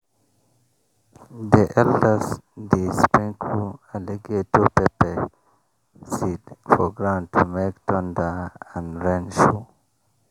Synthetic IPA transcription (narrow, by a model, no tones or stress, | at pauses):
diʔɛldəsdispĩŋkʰualeɡetupepɛ | sidfɔɡɹãʊ̃ntʰumektʰɔ̃ndaãnɹɛ̃nʃu